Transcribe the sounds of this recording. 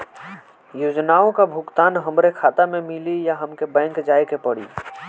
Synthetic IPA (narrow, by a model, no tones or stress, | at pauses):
joːd͡ʒnaːõkabʱʊkt̪aːnɦɐmɾekʰaːt̪amẽmɪlijaɦɐmkebɛ̃ːŋkd͡ʒaːekepəɽḭː